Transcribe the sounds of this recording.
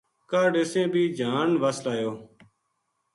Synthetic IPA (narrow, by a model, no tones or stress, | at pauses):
kaːɖeːsẽːbʱiːd͡ʒaːnʋəslaːjoː